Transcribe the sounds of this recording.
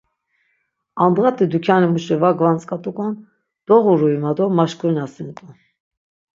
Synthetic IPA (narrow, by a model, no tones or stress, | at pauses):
ɑnd̪ʁat̪ʼid̪ukʰjanimuʃɛvaɡvant͡sʼkʼat̪ʼukʼɔn | d̪̥ɔʁuɾuimad̪ɔmaʃkʰʼunasint̪ʼu